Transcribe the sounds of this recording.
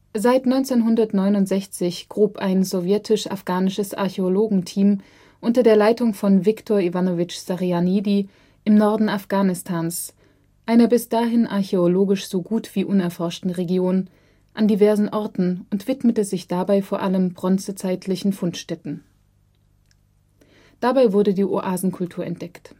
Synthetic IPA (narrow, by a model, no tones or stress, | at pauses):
zaɪtnɔʏnt͡seːnɦʊndɐtnɔʏnʊntz̥ɛçt͡sɪçɡ̥ʁoːpʰaɪnzovjɛtʰɪʃa̰fɡ̥aːnɪʃəsʔa̰ɐçeoloːɡŋ̩tʰiːm | ʔʊntɐdeːɐlaɪtʊŋfɔnvɪktʰɔɐivanovɪt͡ʃsaʁianiːdi | ʔɪmnɔɐdn̩afɡ̥aːnɪstʰaːns | ʔaɪnɐbɪsd̥aːɦɪnʔaɐçeoloːɡɪʃz̥oːɡuːtv̥iːʔʊnɛɐfɔɐʃtn̩ʁeɡjoːn | ʔandivɛɐzn̩ʔɔɐtn̩ʊntv̥ɪtmətəzɪçd̥abaɪfoːɐʔaləmbʁɔnt͡sət͡saɪtʰlɪçn̩fʊntʃtɛtn̩ | d̥abaɪvʊɐdədiːʔoʔaːzn̩kʰʊltʰuːɐɛ̰nt̚d̥ɛkt